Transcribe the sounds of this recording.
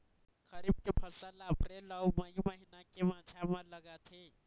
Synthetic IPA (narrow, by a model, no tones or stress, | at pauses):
kəɾib̚kepʰəsəlapɾeləwməjməɦinakemãt͡ʃʰamãləɡat̪ʰe